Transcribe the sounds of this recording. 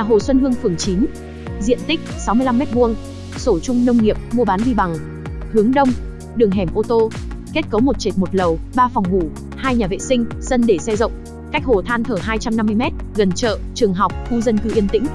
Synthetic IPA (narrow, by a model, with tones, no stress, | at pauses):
aː˨˩ɦo̰˧˩swə˧nɦɨ˧əŋfɨ˨˩əŋt͡ɕi˨˦n | zḭ˧˨ənt̪i˦˥k̟̚sa˨˦wmɨ˧əjla˧mːɛ˦˥t̚mu˧əŋ | so˧˩t͡ɕʊ˧ŋ͡mnə˧wŋ͡mŋi˨˩əp̚mu˧əɓaː˨˦nɗi˧ɓa˨˩ŋ | hɨ˨˦əŋɗə˧wŋ͡m | ɗɨ˨˩əŋɦɛ˨˩mʔo˧t̪o˧ke˦˥t̚kə˨˦wmo˨˩t̚t͡ɕe˨˩t̚mo˨˩t̚lə˨˩wɓaː˧fa˨˩wŋ͡mmu˧˩ | haː˧jɲaː˨˩vḛ˧˨sï˧ŋ̟sə˧nɗe˧˩sɛ˧zə̰˧˨wŋ͡m | ka˦˥jk̟̚ho˨˩t̪ʰaː˧nt̪ʰəː˧˩ɦaː˧jt͡ɕa˧mna˧mːɨ˧əjmɛ˦˥t̚ɣə˨˩nt͡ɕə̰ː˧˨t͡ɕɨ˨˩əŋɦa˨˩wk͡p̚xu˧zə˧nkɨ˧ʔi˧ənt̪ḭ̈˧˥ŋ̟